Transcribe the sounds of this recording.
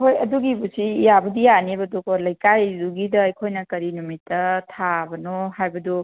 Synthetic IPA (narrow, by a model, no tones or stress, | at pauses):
hojɐduɡibusiːjabɐdijaniebɐdukɔlɐjkajduɡidɐɐjkʰojnɐkɐɾinumitːɐtʰabɐnɔhajbɐdu